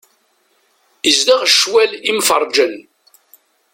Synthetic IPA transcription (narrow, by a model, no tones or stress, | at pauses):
izd̪aʁʃwælimfəɾˤd͡ʒən